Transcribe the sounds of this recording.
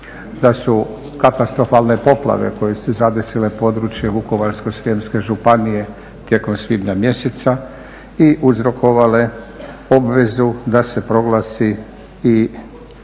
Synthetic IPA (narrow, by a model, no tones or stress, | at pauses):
d̪asu | kat̪ast̪ɾo̞faːlˠne̞po̞plˠa̰ʋe̞̰ko̞je̞suzad̪e̞sile̞po̞ːd̪ɾut͡ʃjeʋuko̞ʋaɾskoseːmske̞ʒupanije̞ | t̪je̞ko̞msʋid̪ɲamje̞set̪sa | iʔuzɾo̞kʰo̞ʋale̞ | o̞bʋe̞zud̪ase̞pɾo̞ɡlaːsi | i